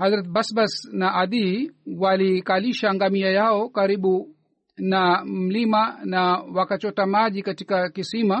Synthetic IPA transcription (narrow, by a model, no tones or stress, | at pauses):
hazɾat̪basbasnaʔad̪iwalikaliʃaŋɡamiajaɔkaɾiɓu | namm̩limanawakat͡ʃɔtamaʄikatikakisima